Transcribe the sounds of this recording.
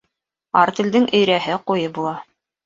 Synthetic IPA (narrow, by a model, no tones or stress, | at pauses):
ɑɾt̪ɘ̆ld̪ɘŋʔɵ̆jɾæɦɘqujɤbulˠɑ